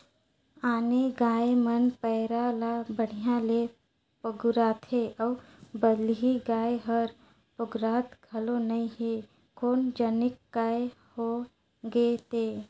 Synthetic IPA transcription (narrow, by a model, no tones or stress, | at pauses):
aːneɡaːemənpɛɾalabəɽ̤ijãle | pəɡʊɾaːt̪ɦeɔː | bəlɦiɡaːeɦəɾ | pʊɡɾaːt̪ɡʱɐlonɐĩɦe | koːnd͡ʒənɪkːaːe | ho | ɡeːt̪eː